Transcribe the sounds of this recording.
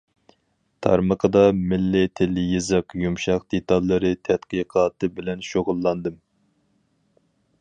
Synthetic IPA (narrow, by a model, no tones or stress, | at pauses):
t̪ʰɑ̰ɾməqʰəd̪ɑmɪlːɪt̪ʰɪlːɪjɪzɨqjumʃɑqd̪et̪ɑlˠːɨɾɨt̪ʰɛt̪qiqʰɑːt̪ʰɨbɪlɛnʃoʁʊlˠːɑnd̪ɨm